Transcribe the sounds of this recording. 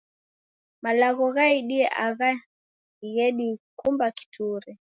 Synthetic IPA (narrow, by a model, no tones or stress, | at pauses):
malaɣɔɣaiɗiɛʔaɣa | iɣɛɗikumbaki̥tʰuɾɛ